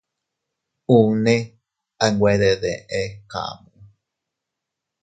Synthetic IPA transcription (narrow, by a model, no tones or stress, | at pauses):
une | aŋɡʷwʷeɾeðeʔeka̰mu